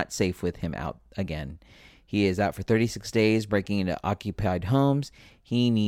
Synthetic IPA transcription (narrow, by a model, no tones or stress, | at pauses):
ə̰tseɪfwɨð̥ɨ̃mʔa̰ʊɾɨɡɛ̰̃n | iɪzaʊtfə˞θɜ˞ɾisɪksd̥eɪzbɹeɪkɪ̃ŋɪ̃ntṵʔɑ̰kjɨpʰaɪd̚ɦõʊ̃mz̥ | hini